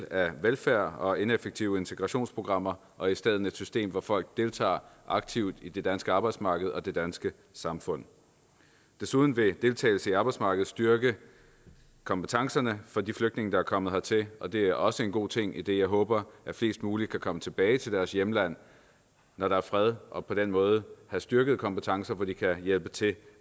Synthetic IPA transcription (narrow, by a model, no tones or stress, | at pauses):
læʋelfæɐ̰ɒ̽e̝nefeɡ̥̚t͡sʰiʊe̝nt͡sʰe̝ɡ̥ʁɑɕo̝̰ːnspʰʁo̝ɡ̥ʁɑ̈m̰ɐ | ʔɒ̽isd̥eð̞̰ˠn̩e̝d̥sysd̥e̝̰ːmʋɒfɒ̽l̰ɡ̥̚d̥e̝lt͡sʰɑ̰̈ːʔɑ̈ɡ̥̚t͡sʰiʊ̰d̥id̥e̝d̥ænsɡ̥əɑ̈ːb̥ɑ̈ɪd̥smɑ̈ːɡ̥əð̞̩ˠɒ̽d̥e̝d̥ænsɡ̥ə | sɑ̈mfɔ̽n̰ | d̥e̝suð̞ˠn̩ʋe̝d̥e̝lt͡sʰɛ̰ɪl̩səiɑ̈ːb̥ɑ̈ɪdsmɑ̈ːɡ̥ð̩ˠsd̥yɐɡ̥ə | kʰɒ̽mb̥ət͡sʰɑ̈ŋsɐnəfɒ̽d̥ifløɡ̥̚d̥ne̝ŋəd̥ɑ̈æɐkʰɒ̽m̰ð̩ˠhɑ̈t͡sʰe̝ɒ̽d̥e̝æɐʔɒ̽səe̝nɡ̥o̝̰ːt͡sʰe̝ŋ̰id̥e̝jɑ̈ɪɦɔ̽ːb̥ɐʔæfle̝̰ːsd̥muːlid̥̚kʰækʰɒ̽mət͡sʰe̝b̥ɛːɪt͡sʰe̝ld̥æɐsjeməlæn̰ | nɒɾ̥ɑ̈æɐfʁɛð̞ˠʔɒ̽pʰɒ̽d̥enmɔ̽ːð̞̩ˠəhæsd̥yɐɡ̥əð̞̩ˠkʰɒ̽mb̥ət͡sʰɑ̈ŋsɐʋɒd̥ikʰæjelb̥ət͡sʰe̝